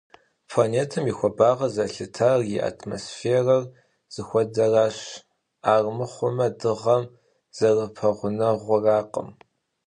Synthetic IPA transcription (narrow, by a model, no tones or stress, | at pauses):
pʰlaːneːtʰɐmixʷɔbaːʁɐzɐɬɨtʰarjiʔa̰tʰmo̰ːsfeːrɐr | z̥ɨxʷɔdɐraːɕ | aːrmɨχʷʊmɐdɨʁɐm | z̥ɐrɨpʰɐʁʷʊnɐʁʷʊraːqə̰m